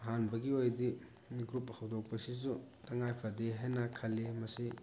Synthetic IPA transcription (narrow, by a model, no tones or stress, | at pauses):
ɦanbɐɡiojdi | ɡɾuphɐwdok̚pɐsisutɐŋajpʰɐdeɦajnɐkʰɐlːimɐsi